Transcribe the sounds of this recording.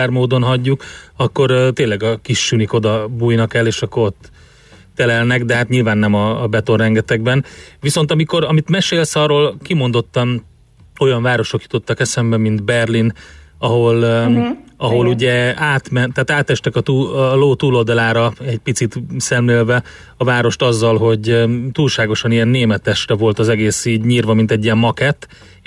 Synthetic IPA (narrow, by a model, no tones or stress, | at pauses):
aːrmoːd̪o̞nɦɒɟːukɒkːo̞ɾt̪eːnlɛɡɒkiʃːyniko̞d̪ɒbuːjnɒkɛlːeːʃɒkːo̞ɾo̞t̪ː | ɛlɛlnɛɡd̪ɛɦat̪ɲilvaːnːɛmɒːbɛt̪o̞rrɛŋɡɛt̪ɛɡbɛnviso̞n̪t̪ɒmiko̞ɾɒmit̪mɛʃeːlsɒːroːlkimo̞nd̪o̞t̪ːɒm | o̞jɒɱvaːɾo̞ʃo̞kju̥t̪o̞t̪ːɒkɛsɛmbɛmind̪bɛrlinɒɦo̞l | ɒɦo̞luɟɛaːt̪mɛnt̪aːt̪aːt̪ːɛʃt̪ɛkɒt̪uːloːt̪uːlo̞ld̪ɒlaːɾɒɛɟpit̪sit̪sɛmleːlvɛ | ɒvaːɾo̞ʃt̪ɒzːɒlɦo̞ɟt̪uːlʃaːɡo̞ʃɒnijɛnːeːmɛt̪ɛʃrɛvo̞lt̪ɒzɛɡeːsiːɟɲiːrvɒmint̪ɛɟːijɛmːɒkɛt̪ː